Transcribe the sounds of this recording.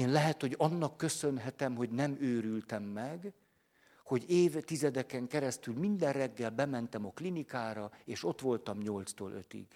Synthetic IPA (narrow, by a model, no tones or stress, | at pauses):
eːnlɛɦɛt̪ho̞ɟɒnːɒkːø̞sønɦɛt̪ɛmɦo̞ɟnɛmøːɾylt̪ɛmːɛɡ | ho̞ɟeːvt̪izɛd̪ɛkɛŋkɛɾɛst̪ylmind̪ɛrrɛɡːɛlbɛmɛnt̪ɛmɒklinikaːɾɒeːʃo̞t̪ʋo̞lt̪ɒmɲo̞lt̪st̪oːlʔø̞̰t̪ḭɡ